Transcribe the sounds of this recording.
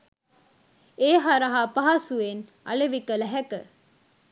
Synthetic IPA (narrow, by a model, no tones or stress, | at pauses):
eːɦaɾaɦapaɦasuen | a̰leʋikələɦɛkə̰